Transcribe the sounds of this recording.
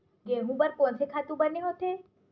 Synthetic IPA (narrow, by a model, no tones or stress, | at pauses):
ɡeɦũbəɾkɔ̃ːnsekʰaːt̪ũbəneɦot̪ʰeː